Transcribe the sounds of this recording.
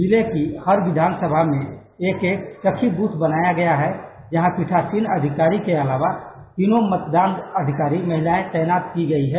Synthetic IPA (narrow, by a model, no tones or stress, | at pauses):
bilekihəɾʋɪd̪ʱaːnsəbʱamẽ | eːkeːk̚t͡ʃəkʰibuːt̪ʰbənaːjaɡɐjaɦɛ | d͡ʒɐɦãpiʈʰaːsiːnəd̪ʱɪkaːɾikeɐlaːʋa | t̪iːnomət̪d̪aːnəd̪ʱɪkaːɾimɐɦɪlaːẽt̪ɛːnaːt̪kiɡɐiɦɛː